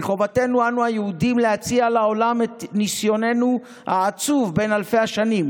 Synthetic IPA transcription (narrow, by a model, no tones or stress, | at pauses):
χovate̞nuanuajeudimleat͡sialao̞lametnisjo̞ne̞nu | haːt͡suvbe̞nalfe̞jaʃanim